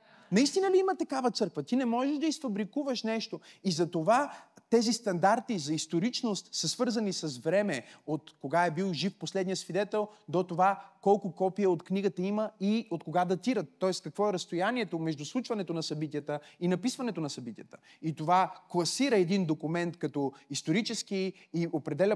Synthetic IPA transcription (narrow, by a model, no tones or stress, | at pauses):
nɐist̪inəliimət̪ɐkavət̪sɤɾkvət̪inɛmɔʒɛʒd̪ɐisfɐbɾikuvəʃnɛʃt̪oizɐt̪ovat̪ɛzist̪ɐnd̪aɾt̪izɐist̪oɾit͡ʃnost̪səsvɤɾzɐnisɐzvɾɛmɛot̪koɡaɛbilˠʒifposlɛd̪nijəsvid̪ɛt̪ɛlˠd̪ot̪ovakɔlˠkʊkɔpiəot̪kniɡət̪əiməiot̪koɡad̪ɐt̪iɾət̪ːɔɛskɐkvɔɛɾɐst̪ojaniɛt̪omɛʒd̪uslˠut͡ʃvɐnɛt̪onɐsɐbit̪ijət̪əinɐpisvɐnɛt̪onɐsɐbit̪ʲijət̪ə̥ | it̪ovaklˠɐsiɾəɛd̪ind̪okumɛnt̪kɐt̪ɔist̪oɾit͡ʃɛskiː | opɾɛd̪ɛlʲə